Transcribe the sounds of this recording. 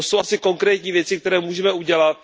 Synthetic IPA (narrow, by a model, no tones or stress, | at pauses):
so̞wasɪko̞ŋkɾɛːt̪ɲiːvjɛt͡sɪk̚t̪ɛɾɛːmuːʒɛmɛuɟɛlat̪̚